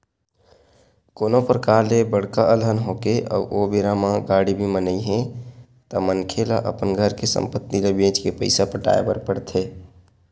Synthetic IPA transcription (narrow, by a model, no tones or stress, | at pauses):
koːnopɾəkaːɾlebəɽ̤kaʔəlɦənɦoːkeʔɔ̰ːʔobeːɾamãɡaːɽibʱimənəiɦɛ̃ | t̪əmənkʰela̰ʔə̰pənɡʱəɾkesə̰̃mpət̪ːilebẽːt͡ʃkepəɪsapəʈa̰ːḛbə̰ɾpəɽt̪ʰeː